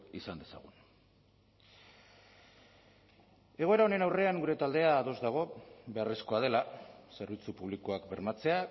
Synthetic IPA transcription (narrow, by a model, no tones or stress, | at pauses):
isand̪e̞sa̰ɣ̞un | e̞ɣo̞e̞ɾao̞ne̞nawre̞aŋɡuɾe̞t̪ald̪e̞aːðo̞zd̪aɣ̞o̞be̞aresko̞að̞e̞lase̞ɾβ̞it͡supuβ̞liko̞akbe̞ɾmat͡se̞a